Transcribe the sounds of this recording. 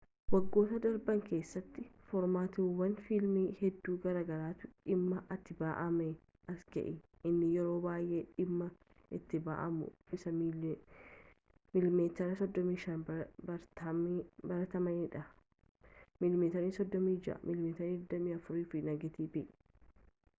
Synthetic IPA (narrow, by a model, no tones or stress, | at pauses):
wɐɡːo̞ːt̪ɐd̪ɐɾbɐŋke̞ːsːɐt̪ːɪfɔɾmaːt̪ɪwɐnfilmiːhɛd̪ːuːɡɐɾaːɡɐɾaːt̪ʊᶑɪmːɐʔɐt̪ːɪbaːʔɐme | ʔɐsɡɛ̰ʔɪ | ʔɪnːɪjɛɾo̞ːbaːjʔe̞ːᶑɪmːɐ | ɪt̪ːɪba̰ːʔɐmʊ̰ɪsɐ | mɪlmeːt̪ːɐɾɐsɔd̪ːɔmiːʃɐnbɐɾɐbɐɾɐt̪ɐmɐniːᶑɐ | mɪlmeːt̪ɐniːsɔd̪ːɔmiːd͡ʒɪʔɐ̰mʔɪlmeːt̪ɐnːd̪ɐmiːɐfʊɾiːfɪnɐɡɛt̪iːbɪʔ